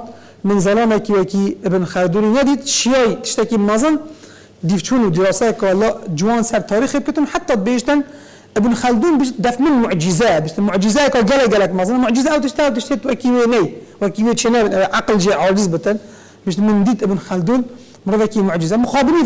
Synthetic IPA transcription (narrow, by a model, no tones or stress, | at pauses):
mɨnzælɑːmɛkiːwɛkiːɪbnxæld̪uːɾiːnɛd̪iːt̪ʃijɑːjt̪ɨ̥ʃt̪ɛkiːmɑzˤɨn | d̪iːft͡ʃʰuːnud̪iɾɑːsɛjɛkɑlːɑːd͡ʒɪwɑːnsɛɾt̪ʰɑːɾiːxeb̚kət̪ɨnħat̪ːɑːd̪̚beːʒt̪ɨn | ʔɨbnxæld̪uːnbɪʃt̪̚d̪æfmɨnmʊʕd͡ʒɪzɛbɪʃt̪ɨnmʊʕd͡ʒɪzɛkɑːɡɛlɛɡɛlɛkmɑzˤɨnmʊʕd͡ʒɪzɛʔæwt̪ɨʃt̪ɛæwt̪ɨʃt̪eːt̪wɛkiːweːnɛjwɛkiːweːt͡ʃʰeːnɛbɨnʔɛvʔaqlʒiʕɑːd͡ʒɪzbɨt̪ɨn | bɪʃt̪nmɨnd̪iːt̪ʔɨbnxæld̪uːn | mɾɨvɛkimʊʕd͡ʒɪzɛmʊxɑːbɨniː